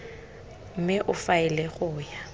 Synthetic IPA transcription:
m̩mɪʔʊfaɪlɛɣʊːja

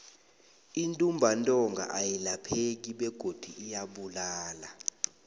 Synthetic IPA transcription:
intʼumbʱantʼɔŋɡa̰ʔajilapʰek̬iɓɛɡ̥ʱod̥ʱiijaɓulaːla

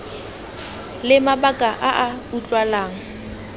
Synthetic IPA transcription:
lɪmabakʼaʔaʔaut͡ɬʼwalaːŋ̩

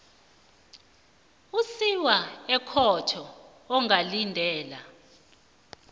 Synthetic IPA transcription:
usiwaɛkʰɔtʰɔː | ŋʱalindʱɛːla

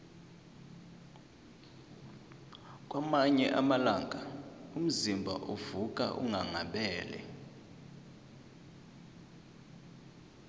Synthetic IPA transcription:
k̬ʼwamaɲɛʔamalaːŋʱaum̩zimbʱa̰ʔuvukʼa̰ʔṵŋaŋaɓɛːlɛ̰

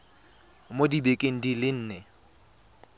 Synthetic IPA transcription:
modibekʼeŋ̩dilɪn̩ːnɛ

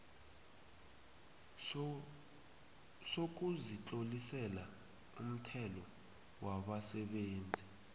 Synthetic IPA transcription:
sok̬uzit͡ɬolisɛla | ṵm̩tʰɛlɔ | waɓasɛɓeːnd͡zʱi

